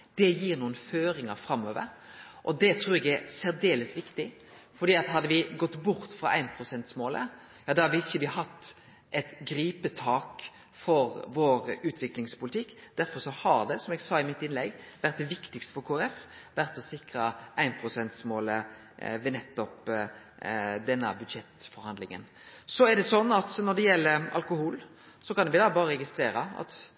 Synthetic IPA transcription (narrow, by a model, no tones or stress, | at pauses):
d̪̥ɛjiːɾnuːənføːɾɪŋɑfɾɑmːøːʋə̰ɾ | ʔɔd̪ɛt̪ʰɾuːɾɛɡɛɾsæɾd̪eːləsʋɪkt̪ɪ | fɔɾɖ̪iːɑt̪ɦɑd̪ːəʋɪɡɔt̪ːbʊɾt̪fɾɑʔæ̰ɪnpʰɾʊsɛnt̪smoːlə̰ | jɑːd̪ɑhɑɾʋɪɪçːəʋɪhɑt̪ː | ʔɛt̪ɡɾiːpət̪ʰɑːk | fɔɾʋoːɾʉːt̪ʰʋɪklɪŋspʰʊlɪt̪ʰɪkːd̪̥æɾfɔɾsɔhɑɾd̪ɛsɔmɛɡsɑːɪmɪt̪ːɪnlɛɡʋæɾt̪̚d̪ɛʋɪkt̪ɪɡst̪ə̥fɔɾkʰoːæɾɛfʋæɾt̪ːɔsɪkɾəʔæɪnpʰɾʊsɛnt̪smoːlə | ʋɛnɛt̪ːɔp | d̪ɛnːə̰bʉd̪ʃɛt̪fɔɾhɑnd̪lɪŋə̰n | sɔæɖ̪ɛsɔnːɑt̪nɔd̪ɛjɛlːəɾɑ̰lkʊhuːl | sɔkɑnʋɪd̪ɑbɑːʁəɾɛɡɪst̪ɾeːɾəɑ̰t̪